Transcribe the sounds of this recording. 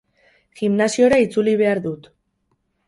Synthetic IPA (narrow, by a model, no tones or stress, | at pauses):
ɣimnasio̞ɾait͡suliβ̞e̞aɾðut̪